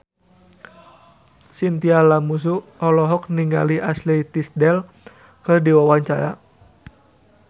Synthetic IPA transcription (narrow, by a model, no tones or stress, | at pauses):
sint̪ialamus̬uɔlɔɦɔk̚niŋa̰liʔaslɛt̪isdɛl | kɨrdiwawaɲt͡ʃaɾa̰